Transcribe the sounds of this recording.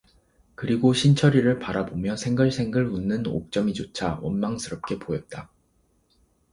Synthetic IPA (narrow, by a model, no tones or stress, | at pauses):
kɯɾiɡoɕʰint͡ɕʰʌɾiɾɯɭpaɾabomjʌsʰe̞ŋɡɯɭsʰe̞ŋɡɯɭunːɯno̰k̚t͡ɕ͈ʌmid͡ʑot͡ɕʰawʌnmaŋsʰɯɾʌp̚k͈e̞pojʌt̚t͈a